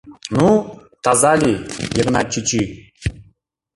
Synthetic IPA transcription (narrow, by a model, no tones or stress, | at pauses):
nu | t̪azalʲijeɡnat͡ʃːit͡ʃi